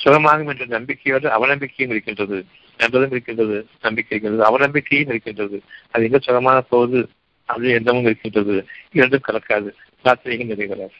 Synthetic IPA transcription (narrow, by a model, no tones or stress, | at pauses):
sʊɾɐmaːɣɯmɛndrɐnɐnɐmbɪkʰːɐjoːɽɯɐ̰ʋɐnɐmbɪkːɐjɯmɪɾɯkːɪndrɐðɯ | nɐnbɐðɯmɪɾɯkːɪndrɐðɯnɐmbɪkːɐɪɾɯkːɪndrɐðɯɐʋɐnɐmbɪkːɐjɯmɪɾɯkːɪndrɐðɯɐðɯɛŋɡɐsʊɣɐmaːnɐpoːðɯ | ɐʋɐðɯɛnd̪ɐmɯmɪɾɯkːɪndrɐðɯɪɾɐɳɖɯmkɐɭɐkːaːðɯ | kaːt̪ːɪɾɐɣɪnd̪ɐðɐɪɣɐɾaː